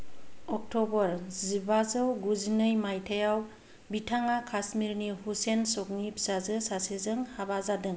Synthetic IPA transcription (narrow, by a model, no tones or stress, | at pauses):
ɔk̚tɔbɔɾzibazɯwɡuzinɯjmajtʰajaw | bitʰaŋakʰasmiɾnihusensɔk̚nipsazɯsasezɯŋhabazadɯŋ